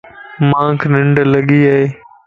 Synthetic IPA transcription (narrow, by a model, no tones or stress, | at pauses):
mãːŋkʰnɪ̃ɳɖləɠiːaːɦeː